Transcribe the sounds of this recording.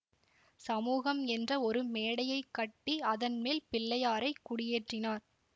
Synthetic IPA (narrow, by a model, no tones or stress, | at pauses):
sɐmuːɣɐmɛndrɐɔɾɯmeːɽɐjɐɪkːɐʈːiɐðɐnmeːlpɪlːɐjaːɾɐɪkːʊɽɪjeːʈrɪnaːɾ